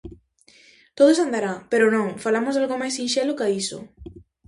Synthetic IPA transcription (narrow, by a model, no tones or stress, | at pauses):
t̪oðosand̪aɾapeɾʊnõŋfalamozðalɣomajsinʃɛlokaisʊ̰